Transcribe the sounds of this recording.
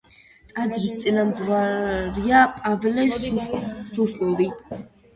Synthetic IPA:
t̪ʼad̪zɾist̪sʼinamzɾwaɾiapʼavlɛ | suslʼɔvi

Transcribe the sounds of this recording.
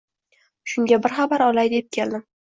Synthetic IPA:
ʃʊŋɡʲabɪɾχabaɾɒlajd̪e̞p̚kʲʰe̞ld̪ɪm

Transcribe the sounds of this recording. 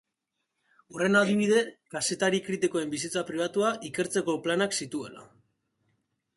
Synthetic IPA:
ure̞naðiβ̞iðe̞kase̞t̪aɾikɾit̪ikoe̞mbisit͡sapɾiβ̞at̪uaʔike̞ɾt͡se̞ko̞planaksit̪ue̞̰la̰

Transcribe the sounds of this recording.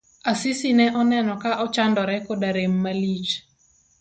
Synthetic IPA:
asɪsinɛʔɔnɛnɔkaʔɔt͡ʃandɔɾɛkodaɾemːalit͡ʃ

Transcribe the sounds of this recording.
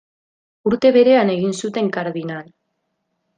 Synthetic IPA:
uɾt̪e̞βe̞ɾe̞ane̞ɣinsut̪e̞ŋkaɾðinal

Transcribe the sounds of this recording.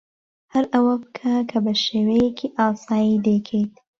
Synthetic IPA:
haɾawɐpəkʰakʰɐbəʃewejekʰiʔɑːsɑːjid̪ekʰed̪

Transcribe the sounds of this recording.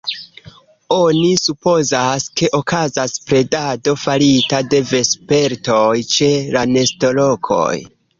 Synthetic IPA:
o̞nisupo̞zaske̞ʔo̞kazaspɾe̞dado̞faɾitade̞ve̞spe̞ɾtojt͡ʃe̞lane̞sto̞lo̞kʰo̞̰j

